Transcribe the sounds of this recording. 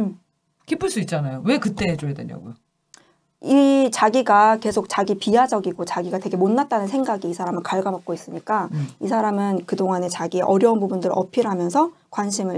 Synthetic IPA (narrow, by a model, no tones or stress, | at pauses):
kipʰɯɭs͈uit̚t͡ɕ͈anajowe̞kɯt͈eed͡ʑojadwḛɲo̰ɡujo | it͡ɕaɡiɡake̞sʰok̚t͡ɕaɡipiɦad͡ʑʌɡiɡot͡ɕaɡiɡate̞ɡe̞monːat̚t͈anɯnsʰe̞ŋɡaɡiːsʰaɾamɯɭkaɭɡabak̚k͈ois͈ɯɲik͈aisʰaɾamɯnkɯdoŋane̞t͡ɕaɡieʔʌɾjʌunpubundɯɾʌpʰiɾɦamjʌnsʰʌkwanɕʰimɯ